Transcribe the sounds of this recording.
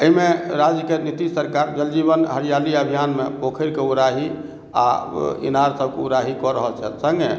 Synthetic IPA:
əimeɾad͡ʒkiənit̪isəɾkaɾd͡ʒəld͡ʒibənɦəɾijaliəbʱijanmepokʰəɾkeuɾaɦi | a̰ḭnaɾsəb̚keuɾaɦikɔɾəɦəlt͡ʃʰɛ̰lsəŋɡe

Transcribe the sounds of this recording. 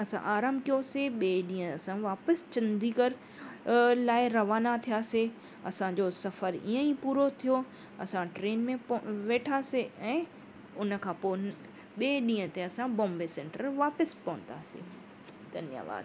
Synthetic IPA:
ɐsã̰ʔaːɾãːmbkijoseɓeːɗĩːɦə̃ɐsãʋaːpəst͡ɕɐ̃nd̪ʱikəɾ | laːɪɾɐʋaːnat̪ʰijaːse | ɐsãd͡ʑosɐfəɾḭːə̃ipuːɾot̪ʰijo | ɐsãʈɾeːnmẽʋeːʈʰaːseɛ̃ː | ʊnə̆kʰãːpo | ɓeːɗĩːə̃t̪eɐsãbɔ̃ːmbesɛ̃ːɳʈəɾʋaːpəspɐʋə̃nd̪aːsḛ | d̪̥ʱɐnja̰ʋa̰ːd̪

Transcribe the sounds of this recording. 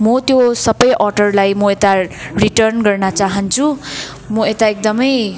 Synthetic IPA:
mʌt̪josʌbʌjʔɔɖʌrlajmʌet̪ariʈʌrnɡʌrnʌt͡saɦʌnt͡sʰu | mʌet̪aek̚d̪ʌmʌj

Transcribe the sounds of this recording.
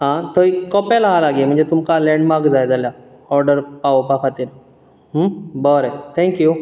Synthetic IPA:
ɦãt̪ʰoikɔpalaɦalaɡem̤ə̃ɳd͡zet̪umkalɛ̃ɳɖmaɾkd͡zajd͡zalja | ɔɾɖəɾpaopakʰat̪iɾ | ɦbəɾet̪ʰɛ̃ŋkju

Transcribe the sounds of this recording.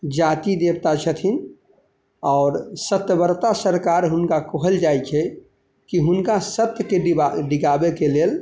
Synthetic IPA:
d͡ʒaːt̪id̪eːbt̪at͡ʃʰət̪ʰin | ɔːɾsət̪jəbəɾt̪asəɾkaːɾɦʊnkakoɦəld͡ʒaːit͡ʃʰe | kiɦʊnkasət̪jkeɖɖɪɡaːbekeleːl

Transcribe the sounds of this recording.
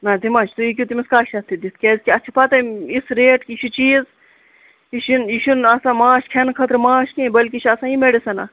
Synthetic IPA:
nad̪imãːt͡ʃʰt̪uik̬ʲjut̪imiskaːʃɐst̪id̪it̪kezkiɐt͡ʃʰipat̪ɐisɾeːʈkiʃʰit͡ʃiːz | iʃiniʃunɐsãmãːʃkʰenkʰɐt̪ɾmãːʃnibɐlkiʃʰɐsãːĩmeɽisɐna

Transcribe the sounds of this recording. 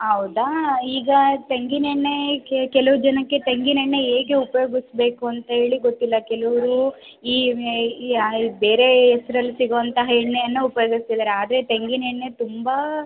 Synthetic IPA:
ɦɐwd̪aiːɡɐt̪eŋɡineɳːekɛlɐʋud͡ʒɐnɐkːe̞t̪eŋɡineɳːe̞eːɡe̞upɐjo̞ːɡisbe̞ːkuɐnt̪ɐɦe̞ːɭiɡo̞t̪ːilːɐkɛlɐʋɐɾu | iː | be̞ːɾe̞ːsɐɾɐlːisiɡoʋɐnt̪ɐɦɐɳːejɐnːuupɐjoːɡist̪id̪aɾeaːd̪ɐɾe̞t̪eŋɡineɳːe̞t̪umbɐ

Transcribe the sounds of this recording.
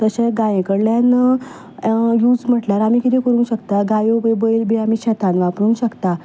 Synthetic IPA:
t̪əɕeɡajẽkəɽljan | juːd͡zm̤əʈljaɾamiːkit̪ekəɾũːnɕəkt̪aɡajobəbəilbiamiːɕɛt̪ʰanʋapɾuːnɕəkt̪a

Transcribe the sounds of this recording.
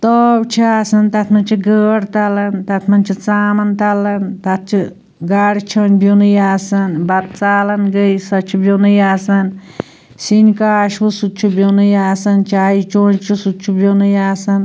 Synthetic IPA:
t̪ɔːwt͡ʃʰiasɐnt̪ɐt̪ʰmɐnt͡ʃʰiɡəːɽt̪ɐlɐnt̪ɐt̪ʰmɐnt͡ʃʰit͡saːmɐnt̪ɐlɐnt̪ɐt̪̚t͡ʃʰi | ɡaɽit͡ʃʰonbʱʲjonujaːsɐnbɐt̪̚t͡saːlɐnɡəjsɐt͡ʃʰibʲjonɨjaːsɐn | sinkaːʃwusut̪̚t͡ʃʰubjonujaːsɐnt͡ʃaːit͡ʃoːnt͡ʃʰusut̪t͡ʃʰubonujaːsɐn

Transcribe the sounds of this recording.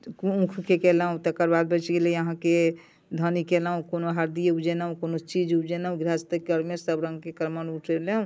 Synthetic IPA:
uũkʰkekɛləɦũt̪əkəɾbad̪̚bət͡ʃɡeliəɦãke | d̪ʱənikeləɦũkonoɦaɾd̪ijud͡ʒenaɦũkonot͡ʃid͡ʒud͡ʒenaũɡɾast̪əkɡəɾmesəbɾə̃ŋɡkekəɾmənuʈʰeleɦũ

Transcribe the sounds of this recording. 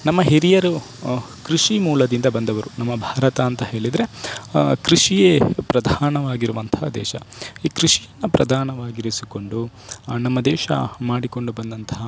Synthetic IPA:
nɐmːɐɦeɾijɐɾu | kɾiʂimuːlɐd̪ind̪ɐbɐnd̪ɐʋɐɾunɐmːɐbʱaːɾɐt̪ɐːnt̪ɐɦe̞ːɭid̪ɾe̞ | kɾiʂijepɾɐd̪ʱaːnɐʋaːɡiɾuʋɐnt̪ɐɦɐd̪ɛ̰ːʃɐ̰iːkɾiʂijɐnːɐpɾɐ̰d̪ʱaːnɐʋaːɡiɾisiko̞ɳɖunɐmːɐd̪ɛːʃɐ̰maːɽiko̞ɳɖubɐnd̪ɐnt̪ɐɦɐ

